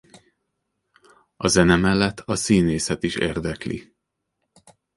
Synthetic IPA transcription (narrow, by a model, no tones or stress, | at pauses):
ɒzɛnɛmɛlːɛt̪ʰːɒsiːneːsɛt̪iʃḛːrd̪ɛklḭ